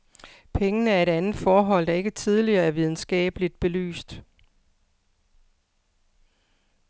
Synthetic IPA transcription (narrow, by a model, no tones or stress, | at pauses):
pʰeŋənəæɐe̝ɾænð̩ˠfɒːɦɒ̽l̰d̥ɑe̝ɡ̥ət͡sʰið̞ˠliɐːæɐʋið̞ˠn̩sɡ̥ɛ̰ːb̥əlid̥̚b̥e̝ly̰ːsd̥